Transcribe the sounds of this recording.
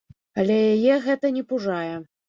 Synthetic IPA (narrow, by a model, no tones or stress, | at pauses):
ɐlʲɛjajɛɣɛt̪ɐnʲɛpuʐajɛ